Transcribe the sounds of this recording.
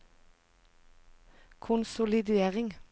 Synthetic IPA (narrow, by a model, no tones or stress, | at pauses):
kʰʊnsʊlɪd̪eːʁɪŋ